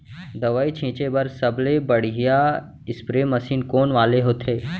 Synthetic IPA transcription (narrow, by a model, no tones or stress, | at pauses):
d̪ɐʋaːit͡ʃʰĩːt͡ʃebɐɾsɐblebɐɽ̤ɦija | ɪspɾemɐsiːnkoːnʋaːleɦoːt̪ʰeː